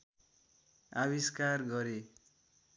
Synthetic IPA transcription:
aβiskarɡʌɾe

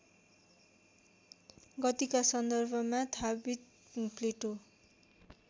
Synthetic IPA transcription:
ɡʌt̪ikasʌnd̪ʌrbʱʌmat̪ʰabit̪ | pleʈo

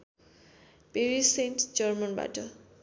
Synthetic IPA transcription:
peɾisenʈd͡ʒʌrmʌnba̰ʈʌ

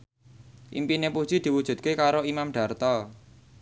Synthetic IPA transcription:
ʔḭmpinepu̥ʒ̥i̤d̪̥i̤wud̥ʒ̥ṳd̪̚kekaɾoimamɖ̥a̤rt̪ɔ

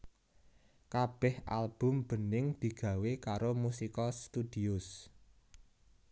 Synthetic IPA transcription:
kab̥ɛha̰lb̥ʊ̤mb̥ə̤nɪŋd̪̥i̤ɡ̥ä̤wekaɾomusikɔst̪ud̪̥i̤ʊs

